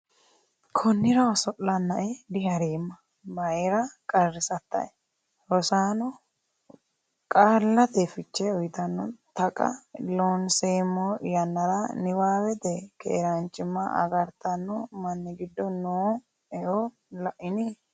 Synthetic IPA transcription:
kʰɔnːɪɾɐɔsɔʔlɐnːɐʔɛd̪ɪɦɐɾeːmːɐ | mɐjɾɐkʼɐrːɪsɐt̪ːɐ̰ɛ | ɾɔsaːnɔ | kʼaːlːɐt̪ɛfɪt͡ʃːɛʊjt̪ɐnːɔt̪ɐkʼɐ̰loːnseːmːɔɪjɐnːɐɾɐnɪwaːwɛt̪ɛkɛ̰ːɾɐnt͡ʃʼːɪmːɐ̰ʔɐ̰ɡɐɾt̪ɐnːɔmɐnːɪɡɪd̪ːɔnoː | ɛʔɔ | lɐʔɪni

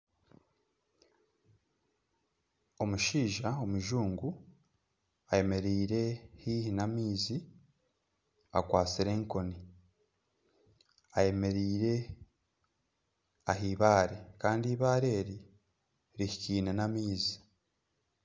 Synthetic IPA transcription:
o̞muʃiːʒao̞muʒuːŋɡu | aje̞me̞ɾiːɾe̞hiːhinamiːzi | a̰kwaːt͡siɾe̞ːŋko̞ni | aje̞me̞ɾiːɾe̞ | aɦiːβaːɾe̞kaːndiːβaːɾe̞ːɾi | ɾihiciːnenamiːzi

